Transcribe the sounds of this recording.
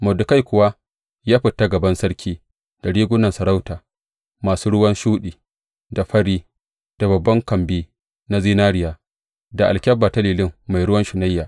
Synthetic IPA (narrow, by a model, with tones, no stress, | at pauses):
mɐ˨dʊ˨ka˦jkʷʊ˨wa˦ | jaː˦ɸɪ˨tːa˦ɡɐ˨bɐ˦nsɐ˦ɽkʲʰiː˦ | d̥a˨ɽiː˦ɡʷʊ˦nɐ˨nsɐ˨ɾa˦wtaː˨ | maː˨suː˦ɽʊ˦wɐ˦nʃuː˦ɗiː˨ | da˨ɸɐ˦ɽiː˦ | d̥a˨bɐ˨bːɐ˦ŋkɐ˨mbiː˦ | na˦ziː˦naː˦ɽɪ˦jaː˨ | da˨ʔa˨lkʲɐ˦bːaː˨tɐ˦liː˨lɪ˦ŋːa˨jɽʊ˦wɐ˦nʃʊ˨na˦jːaː˨